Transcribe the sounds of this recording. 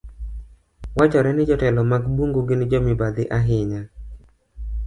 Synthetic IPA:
wat͡ʃɔɾɛnɪd͡ʒɔtɛlɔmaɡbuŋɡoɡɪnɪd͡ʒɔmɪbad̪ɪʔaɦɪɲa

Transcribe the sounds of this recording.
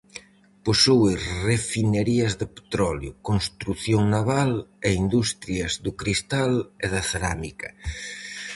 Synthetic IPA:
posowɪrefineɾiɐzðɪpe̥t̪ɾɔljʊ̰konst̪ɾuθjoŋnaβaleind̪ust̪ɾjɐzðʊkɾist̪aleðɐθeɾamikɐ̰

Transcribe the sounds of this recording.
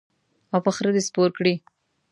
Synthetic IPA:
awpəxɾəd̪espoɾkɽi

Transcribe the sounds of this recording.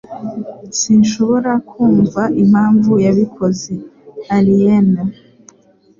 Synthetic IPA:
sinʃo̞βo̞ɾakʰuːɱvaʔim̥aːɱvujaβikʰo̞zeaɾijena

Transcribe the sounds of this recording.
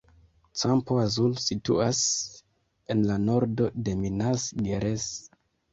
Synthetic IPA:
t͡sampoazulsitṵas | e̞nlano̞ɾdo̞de̞minasɡeɾes

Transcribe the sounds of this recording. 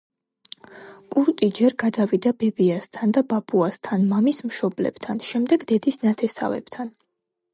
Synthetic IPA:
kʼuɾt̪ʼid͡ʒɛɾɡad̪avid̪abɛbiast̪ʰand̪ababʼuast̪ʰanmamismʃɔblɛ̰b̥t̪ʰanʃɛmd̪ɛɡd̪ɛd̪isnat̪ʰɛsa̰vɛ̰b̥t̪ʰan

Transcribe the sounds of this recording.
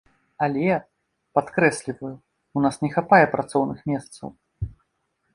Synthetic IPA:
alʲɛa | pat̪kɾɛsʲlʲivɐju | unasnʲɛxapajɛpɾʔat̪sɔwnɨxmʲɛst̪sɐ̰w

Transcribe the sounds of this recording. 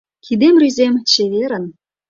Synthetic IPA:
kʰid̪emryzemt͡ɕeβeɾə̆n

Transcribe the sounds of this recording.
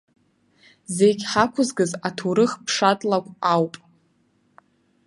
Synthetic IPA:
ze̞jɡʲħakʷʰʊzɡɨzatʰuɾɨχpʰʂatʼlakʷʼawpʼ

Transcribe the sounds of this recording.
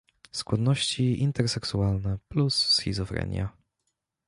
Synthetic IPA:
skwad̪nɔɕt͡ɕiint̪ɛɾsɛksualnɛplusːxʲḭzɔfɾɛ̰ɲʲja̰

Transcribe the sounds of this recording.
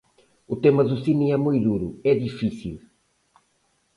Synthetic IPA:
ut̪emɐðusiniɛmujðuɾṵɛðifisḭlˠ

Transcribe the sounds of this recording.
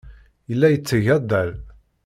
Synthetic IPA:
jəlːæjət͡sːəʝæd̪ːəl

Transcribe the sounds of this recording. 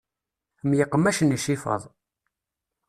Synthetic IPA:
mjɪqːəmæʃəniʃifə̰ðˤ

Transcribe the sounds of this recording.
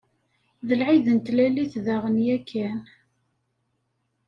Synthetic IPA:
ðəlʕiðənt̪læliθðæʁənjækːæn

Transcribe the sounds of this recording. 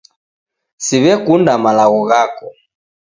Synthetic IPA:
siβɛkundamalaɣɔɣakɔ

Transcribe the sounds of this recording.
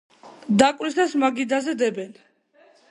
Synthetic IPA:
d̪akʼwɾisd̪asmaɡid̪azɛd̪ɛbɛn

